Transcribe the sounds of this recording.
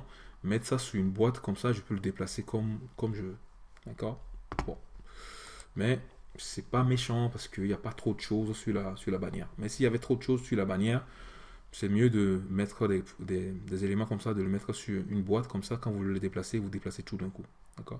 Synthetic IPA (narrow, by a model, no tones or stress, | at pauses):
mɛt̪χsasyʁynbwat̪kɔmsaʒəpøləd̪eplasekʰɔmkɔmʒə | d̪akɔːʁbɔ̰̃ | mɛsɛpameʃɑ̃paʁsə̥kəiljapat̪χod̪əʃozsyʁlasyʁlabanjɛ̰ːʁmɛsiljavɛt̪χod̪əʃozsylabanjɛːʁ | sɛmjød̪əmɛt̪χəd̪ɛd̪ed̪ezelemɑ̃kɔmsad̪ələmɛt̪χəsyʁynbwat̪kɔmsakɑ̃vulələd̪eplasevud̪eplaset̪ud̪ɛ̃ku | d̪̥akɔ̰ːʁ